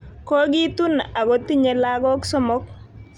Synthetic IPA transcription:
ko˦ɡi˦t̪u˦na˨ɡo˦t̪i˦ɲe˨la˦ɡɔ˦ksɔ˦mɔ˦k̚

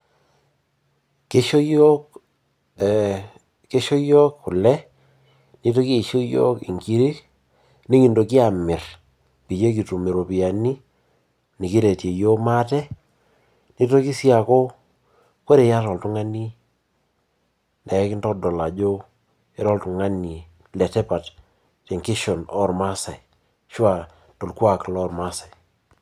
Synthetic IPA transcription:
ke˦ʃo˦jo˦k | ke˦ʃo˦jɔ˦kkʊ˨lɛ˦ | ni˦to˦ki˦˨ʃo˦jo̰˦kḭ˨ŋki˦ɾi˦ | ni˦ŋi˨ndo˨ki˦a˨mɪ˨r | pi˨t͡ʃe˦k̬i˨tu˨me˨ɾo˨pi˨a˨ni˦ | ni˨ki˦ɾe˨tje˨jo˦ma˦tɛ˦ | ni˦to˦ki˦si˦a˨ko˦ | ko˦ɾe˨ja˦ɾɔ˨ltu˦ŋa˦ni˦ | ndɛ˨˦kɪ˦ntɔ˦dɔ˨la˨d͡ʒo˦ | e˦ɾɔ˦ltu˨ŋa˦ni˨ | lɛ˨tɛ˦pa˨t | te˨ŋki˦ʃɔ˨nɔ˦ɾma˦sa˨i˨ | ʃwa˨ | to˨lkwa˨klɔ˦ɾma˦sa˨j

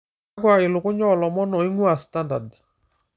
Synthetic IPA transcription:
aɡwa˨ɪ˨lʊ˨kʊ˦ɲɔ˦˨lɔ˨mɔ˦nɔ˨i˦ŋu˦a˨sta˦nda̰˨d

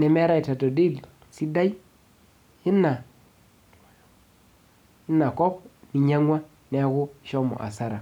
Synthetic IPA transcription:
nɛ˨me˦ɾa˦i˨ta˨to˨di˦˨l | si˦da˦i˦ | hi˦nːa˨ | i˦nːa˨kɔ˦p̚mi˨ɲa˦ŋwa˦ | ne˨˦ɡu˦˨ʃɔ˦mo̰˨ʔa̰˨sa˦ɾa˨

